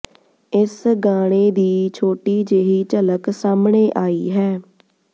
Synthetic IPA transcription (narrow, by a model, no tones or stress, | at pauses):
ɪsɡaːɽ̃eːd̪iːt͡ʃʰoːʈiːd͡ʒeːɦiːt͡ʃələksaːmɳeːʔaːiːɦɛː